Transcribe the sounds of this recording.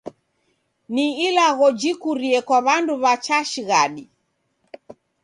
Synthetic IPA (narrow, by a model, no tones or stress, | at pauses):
niilaɣɔd͡ʒikuɾiɛkwaβanduβat͡ʃaʃiɣaɗi